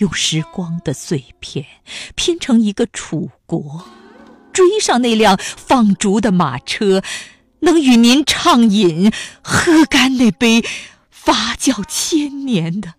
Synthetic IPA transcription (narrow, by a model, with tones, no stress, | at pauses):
jʊ˥˩˧ŋʂɻ̩˧˥kwɑ˥ŋd̪ə˨swe˥˧ɪpʰjɛ˥˩npʰjɛ˥˩nʈ͡ʂʰɤ˧˥ŋi˧˥ɡə˧ʈ͡ʂʰu˨˩kwɔ˧˥ | ʈ͡ʂwe˥ɪʂɑ˥˧ŋne˥˧ɪljɑ˥˩ŋfɑ˥˩ŋʈ͡ʂu˧˥d̪ə˧ma̰˨˩ʈ͡ʂʰɤ˥ | nɤ˧˥ŋy˨˩ni˧˥nʈ͡ʂʰɑ˥˩ŋi˨˩nxɤ˥ka˥nne˥˩ɪpe˥ɪ | fa˥t͡ɕjɑ˥˩ʊt͡ɕʰjɛ˥nnjɛ˧˥nd̪ə˧